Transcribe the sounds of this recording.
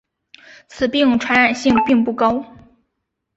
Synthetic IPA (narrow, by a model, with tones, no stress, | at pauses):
t͡sʰɹ̩˨˩pi˥˩ŋʈ͡ʂʰwa˧˥nɻa˨˩nɕi˥˧ŋpi˥˧ŋpu˥˩kɑ˥ʊ